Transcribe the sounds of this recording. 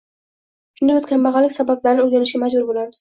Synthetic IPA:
ʃʊnd̪ɪbɪz̥kʲʰamːɑʁɑlɪkʲsabablaɾɪnɪoɾɡʲanɪʃɡʲamad͡ʒbʊɾbolaɾmɪz̥

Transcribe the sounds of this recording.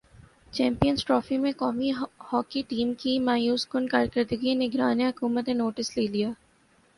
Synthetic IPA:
t͡ʃɛ̃ːmpijənsʈɾɔːfimẽkɔːmihɔːkiʈiːmkimaːjuːskʊnkaːɾkəɾd̪əɡienɪɡɾaːniɦʊkuːmət̪nẽnoːʈɪsleːlijaː

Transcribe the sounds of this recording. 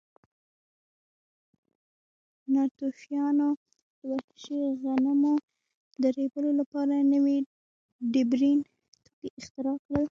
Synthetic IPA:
nɑt̪ofjɑno | d̪̥əwat̪ə̥ʃiɣanamo | d̪əɾebəlolapɑɾanəwi | ɖɪbɾin | t̪ʰuɡeʔɪxt̪ɪɾɑkɽəl

